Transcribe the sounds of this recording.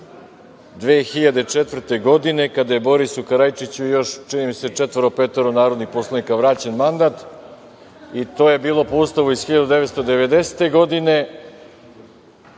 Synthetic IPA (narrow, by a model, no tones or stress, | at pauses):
d̪ʋeːxiʎad̪e̞t͡ʂet̪ʋr̩t̪e̞ɡo̞d̪ine̞kad̪aje̞bo̞ɾisukaɾajt͡ʃit͡ɕujo̞ʃt͡ʃinimise̞t͡ʃet̪ʋəɾopet̪oɾonaːɾo̞d̪nixpo̞slˠanikaʋɾaːt͡ɕenmand̪at̪ | it̪o̞ːje̞biːlˠo̞poust̪aʋuiz̥xiʎad̪ud̪eʋet̪st̪od̪eʋe̞d̪e̞se̥t̪e̞ɡo̞d̪ine̞